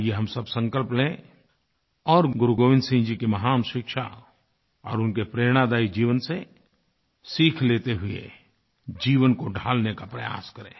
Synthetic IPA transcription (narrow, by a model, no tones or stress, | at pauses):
jeɦɐmsəbsə̃ŋkəlplẽ | ɔːɾɡʊɾuɡoːʋɪ̃nd̪sĩnd͡ʒikemɐɦaːmʃɪkʃa̰ | ɔ̰ːɾʊnkepɾeːɾɽ̃ad̪aːid͡ʒiːʋənse | siːkʰleːt̪eɦʊḛ | d͡ʒiːʋənkoɖʱaːlnekapɾɐja̰ːskəɾḛ̃ː